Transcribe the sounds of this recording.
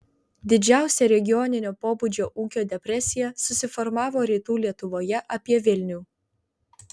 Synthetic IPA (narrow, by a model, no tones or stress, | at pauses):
d̪ʲɪd͡ʒʲæˑʊsʲɛɾʲɛɡʲɪjɔnʲɪnʲoːpoːbud͡ʒʲoːʔuːkʲoːd̪ʲɛpʲɾʲɛsʲɪjɛsʊsʲɪfɔɾmɑːʋoːɾʲiːt̪uːlʲiɛt̪ʊʋoːjɛʔɐpʲiɛʋʲɪlʲnʲuː